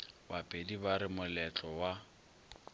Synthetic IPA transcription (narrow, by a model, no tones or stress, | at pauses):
bapʼedibaɾɪmʊlɛt͡ɬʼɔwa